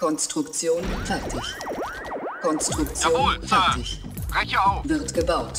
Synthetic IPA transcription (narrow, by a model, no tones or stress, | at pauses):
kʰɔnstʁ̥ʊkt͡sjoːnfɛʁtʰɪç | kʰɔnstʁ̥ʊkt͡sjoːnːfɛtɪç | ɛçvɪʁtɡ̥əbaʊt